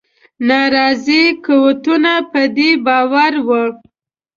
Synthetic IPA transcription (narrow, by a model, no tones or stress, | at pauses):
nɑɾɑzikowt̪unapəd̪ebɑwaɾwə